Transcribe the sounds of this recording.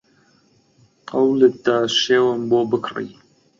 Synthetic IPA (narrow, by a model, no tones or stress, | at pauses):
qɐwlət̪̚d̪aːʃeːwəmboːbɨkʰrḭ